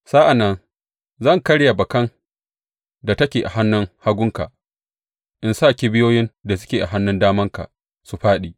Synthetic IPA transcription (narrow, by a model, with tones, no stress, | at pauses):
saː˦ʔa˨nːɐ˦n | zɐ˦˨ŋkɐ˦ɽja˨bɐ˨kɐ˦n | da˨tɐ˦kʲeː˨ʔa˨ɦa˦nːʊ˦ŋha˦ɡʷʊ˦ŋka̰˨ʔ | ʔɪ˨nsaː˦˨kʲi˦bɪ˦joː˦jɪ˦nda˨s̬ʊ˦kʲeː˨ʔa˨ɦa˦nːʊ˦ndaː˦mɐ˦ŋka̰˨ | su˨ɸaː˦ɗiː˨